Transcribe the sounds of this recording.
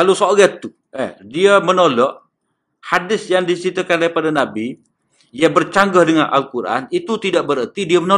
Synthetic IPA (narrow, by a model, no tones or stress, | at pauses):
kalosoɡɛt̪ːu | ɛ̰hdiamənolɔʔ | hadɪsjaŋdisit̪akandaɾipadanabi | jabərt͡ʃaŋɡahdəŋanʔa̰lkuɾa̰nit̪ut̪idaʔbəɾət̪idiaməno